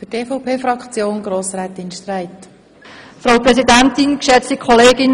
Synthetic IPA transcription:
fʏtʰeːfɔʊpʰeːfɾɑkt͡sjoːnɡ̥ɾoːsrɛːt̪ɪnʃt̪ræɪt | fɾɑʊpɾɛsidænt̪ɪnkʃɛt͡stikʰχɔleːɡɪn

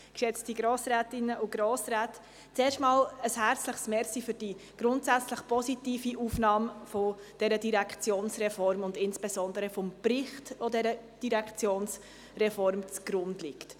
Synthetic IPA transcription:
kʃɛt͡stiɡɾoːsɾɛːtɪnəʔʊɡ̥ɾoːsrɛːt | t͡seːʃtmɑːləshæɾt͡sləχsmɛɾsifʏɾd̥iɡ̥ɾʊntsæt͡sləχpɔsitiːfiʔuːfnɑːmfod̥ɛɾədiɾɛkʰt͡sjoːnsrɛfɔɾmʊndɪnsb̥ezɔndəɾəfɔmprɪχtʋodɛɾə | d̥iʁɛkt͡sjoːns | rɛfɔɾmt͡sɡ̥ɾʊndlɪkt

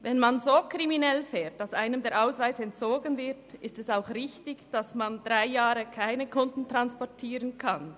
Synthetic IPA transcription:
vɛnmanzoːkʁ̥iminɛlfɛːt̚d̥asʔaɪnəmdeːɐʔaʊsvaɪsɛntt͡soːɡənvɪɐtɪstɛsaʊxʁɪçtɪçd̥asmandʁaɪjaːɾəkʰaɪnəkʰʊndn̩tʁ̥anspɔtʰiːʁənkʰan

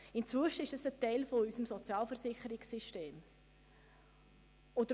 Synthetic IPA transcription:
ɪmt͡sʋʏʃəɪʃəsətɛɪlfoysəmsɔt͡sjɑːlfəɾsɪχəɾɪksiʃteːm | od

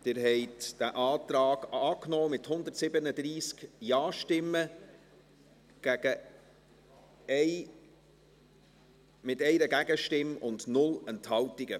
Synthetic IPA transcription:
d̥ɪɾɦɛɪtd̥æʔɑːt̪ɾɑːɡ̥ɑːknɔːmɪthʊnd̪ətsɪbənəd̪ɾiːskjɑːʃtɪmə | ɡ̥æɡ̥ə | ɛɪ | mɪtɛɪɾəɡæɡəʃtɪmʊndnʊlɛnthɑwtɪɡ̥ə

